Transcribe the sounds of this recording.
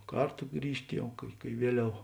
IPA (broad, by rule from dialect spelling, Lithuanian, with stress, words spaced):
ˈkɐrtoː ˈɡrʲiːʃʲtʲ ˈjɛʊ kɐɪ kɐɪ ˈʋʲiɛˌlʲɛʊ